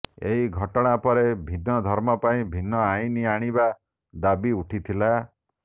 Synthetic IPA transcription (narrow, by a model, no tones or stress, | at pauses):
eɦiɡʱɔʈɔɽ̃apɔɾebʱinːɔd̪ʱɔɾmɔpaĩbʱinːɔaĩniaɽ̃iba | d̪abiuʈʰit̪ʰila